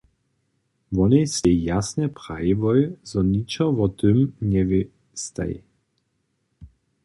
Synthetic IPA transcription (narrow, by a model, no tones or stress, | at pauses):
vɔnɛsɛjasnɛpʁaivɔjzɔnit͡ʃɔvɔt̪ømnʲɛvi | st̪a̰j